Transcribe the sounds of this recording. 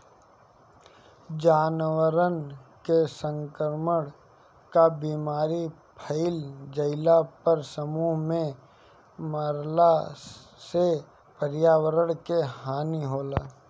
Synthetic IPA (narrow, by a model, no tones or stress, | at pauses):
d͡ʒaːnwəɾənkesə̃ŋkəɾməɽ | kabiːmaːɾi | pʰəɪld͡ʒəɪlapəɾsəmuːɦmẽ | məɾla | se | pəɾjaːwəɾəɽ̃keɦaːniɦoːlaː